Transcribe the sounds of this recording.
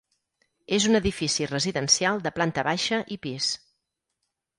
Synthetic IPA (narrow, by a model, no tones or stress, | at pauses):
ezunəðifisirəziðənsialˠd̪əplant̪əβaʃəʔipis